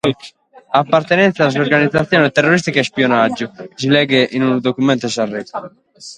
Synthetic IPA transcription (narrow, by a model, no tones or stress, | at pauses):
apːart̪ɛnɛnt̪sas̬oɾɡanid̪zat̪sːjɔːnɛt̪ɛrːoɾis̬t̪ikaspiɔnad͡ʒːusilɛːɡeʔinund̪okumɛnt̪osarːɛt̪ː